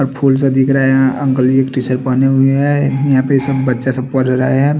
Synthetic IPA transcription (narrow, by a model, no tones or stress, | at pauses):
ɔɾpʰuːlsed̪ɪkʰɾɐɦeə̃ŋkəlieːkʈisəɾpəneɦʊeɦɛjɐɦãpesɐbːɐtːʃasɐbpəʈɾɐɦeɦɛ